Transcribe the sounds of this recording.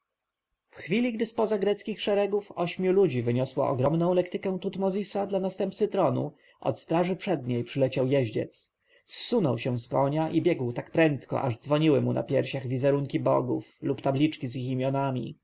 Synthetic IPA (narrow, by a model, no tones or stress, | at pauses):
fxfʲilʲiɡd̪ɘspɔzaɡɾɛt̪skʲixʂɛɾɛɡufɔɕmʲjulud͡ʑivɘɲɔswa̰ʔɔ̰ɡɾɔmnɔ̃w̃lɛkt̪ɘkɛw̃t̪ut̪mɔzʲisad̪lanast̪ɛmp̚tsɘt̪ɾɔnṵ | ʔɔ̰t̪st̪ɾaʐɘpʂɛd̪ɲejpʂɘlɛt͡ɕawjɛʑd͡ʑɛ̰t̪s | sːunɔwɕɛw̃skɔɲaʔibʲjɛɡwt̪akpɾɛnt̪kɔ̰ʔa̰ʐd̪zvɔɲiwɘmuna̰pʲjɛɾɕaɣvʲizɛɾuŋkʲibɔɡuflupt̪ablʲit͡ʂkʲiziximʲjɔnamʲḭ